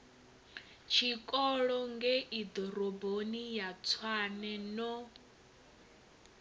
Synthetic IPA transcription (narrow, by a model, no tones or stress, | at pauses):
t͡ʃʰikʼɔɺɔŋɡɛʔid̪ɔɾɔbonijat͡sʰwanɛnɔ